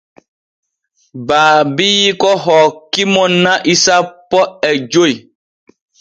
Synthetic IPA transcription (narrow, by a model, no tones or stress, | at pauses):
baːbiːkɔɦɔːkːimɔnːãʔisapːɔɛd͡ʒoj